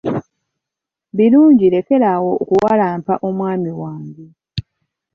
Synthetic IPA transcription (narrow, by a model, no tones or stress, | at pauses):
βiɾuːɲɟile̞ke̞ɾawo̞okuwalaːmpa̰ʔo̞mwaːmiwaːɲɟe